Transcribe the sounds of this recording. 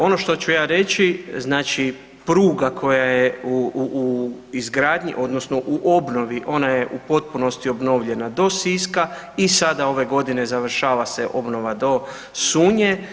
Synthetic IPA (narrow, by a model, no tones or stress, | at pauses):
o̞no̞ʃt̪o̞t͡ʃujaːɾe̞t͡ʃiznaːt͡ʃi | pɾuːɡakʰo̞jajeuuːizɡɾaːd̪ɲḭʔo̞d̪nosno̞ʔuʔo̞bno̞ʋiʔo̞najeʔupo̞t̪̚puno̞st̪io̞bno̞ʋʎe̞nad̪o̞siska | isad̪ao̞ʋe̞ɡo̞d̪ine̞zaʋr̩ʃaːʋaseʔo̞bno̞ʋad̪o̞ | suːɲe